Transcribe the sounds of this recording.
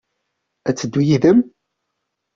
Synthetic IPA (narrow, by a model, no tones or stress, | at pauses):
æt͡sːəd̪ːujiðəm